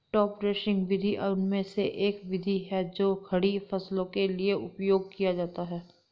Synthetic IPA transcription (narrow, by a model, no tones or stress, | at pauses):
ʈɔːpɾɛːʃɪ̃ŋɡʋɪd̪ʱiʔʊnmẽseʔeːkʋɪd̪ʱiɦɛd͡ʒoːkʰɐɽifɐslõkelieʔʊpjoːɡ̚kijad͡ʒaːt̪aɦɛː